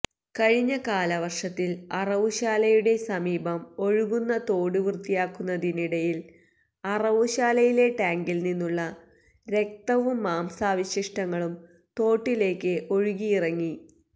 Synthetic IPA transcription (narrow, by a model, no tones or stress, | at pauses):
kɐɻiɲːɐkaːlɐʋɐrʂɐt̪ːilɐrɐʋuɕaːlɐjuɽe̞sɐmiːbɐmo̞ɻuɣunːɐt̪o̞ːɽuʋrt̪ijaːkːunːɐðiniɽɐjil | ɐrɐʋuɕaːlɐjile̞ʈaːŋɡilninːuɭːɐ | ɾe̞k̚t̪ɐʋumːaːmsaːʋiɕiʂʈɐŋːɐɭum | t̪o̞ːʈːile̞ːkːɨʔo̞ɻuɣijirɐŋːi